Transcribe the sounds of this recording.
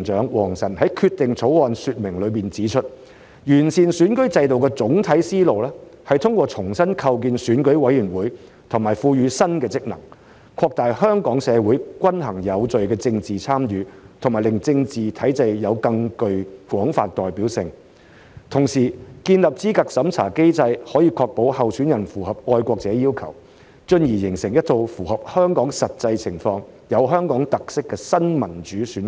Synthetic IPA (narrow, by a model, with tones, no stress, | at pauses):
ŋt͡ʃœː˨˥ŋwɔː˨˩ŋsɐ˨˩nhɐ˨˥jkʰyː˧t̪ɪ˨ŋt͡sʰo˨˥wɔː˨nsyː˧t̚mɪ˨˩ŋlɵ˨˧ɥpiː˨nt͡siː˨˥t͡ʃʰɵ˥t̚ | jyː˨˩nsiː˨˩nsyː˨˥nkɵ˥ɥt͡sɐ˧jt̪o˨wkɛː˧t͡sʊ˨˥ŋt̪ʰɐ˨˥jsiː˥lo˨wlɛː˥ | hɐ˨jt̪ʰʊ˥ŋkʷɔː˧t͡sʰʊ˨˩ŋsɐ˥nkʰɐ˧wk̬iː˧nsyː˨˥nkɵ˨˥ɥwɐ˨˥jyː˨˩nwuː˨˥j | t̪ʰʊ˨˩ŋmaː˨˩jfuː˧jyː˨˧sɐ˥nkɛː˧t͡sɪ˥k̚nɐ̰˨˩ŋ | kʰɔː˧k̚t̪aː˨jhœː˥ŋkɔː˨˥ŋsɛː˨˧wuː˨˥jkʷɐ˥nɦɐ˨˩ŋjɐ˨˧wt͡sɵ˨ɥkɛː˧t͡sɪ˧ŋt͡siː˨t͡sʰaː˥mjyː˨˧t̪ʰʊ˨˩ŋmaː˨˩jlɪ˨ŋt͡sɪ˧ŋt͡siː˨t̪ʰɐ˨˥jt͡sɐ˧jjɐ˨˧wkɐ˧ŋkɵ˧ɥkwɔː˨˥ŋfa̰ː˧t̚t̪ɔː˨jpiː˨˥wsɪ˨˧ŋ | t̪ʰʊ˨˩ŋsiː˨˩kiː˧nlɐ˨p̚t͡siː˥ka˨k̚sɐ˨˥mt͡sʰa̰ː˨˩ke˥jt͡sɐ˧jhɔː˨˥jiː˧kʰɔː˧k̚po˨˥whɐ˨wsyː˨˥njɐ˨˩nfuː˨˩hɐ˨p̚ɔː˧jkʷɔː˧k̚t͡sɛː˨˥jiː˥wkʰɐ̰˨˩w | t͡ʃɵ˧njiː˨˩jɪ˨˩ŋsɪ˨˩ŋjɐ˥t̚t̪ʰo˧wfuː˨˩hɐ˨p̚hœː˥ŋkɔː˨˥ŋsɐ˨t̚t͡sɐ˧jt͡sʰɪ˨˩ŋfɔː˧ŋ | jɐ˨˧wɦœː˥ŋkɔː˨˥ŋt̪ɐ˨k̚sɪ˥kːɛː˧sɐ˥nmɐ˨˩nt͡ʃyː˨˥syː˨˥n